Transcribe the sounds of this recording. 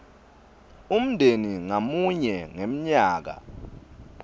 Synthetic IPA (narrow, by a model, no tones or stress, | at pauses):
um̩ndʱeniŋamuɲɛŋem̩ɲaːk̬a̰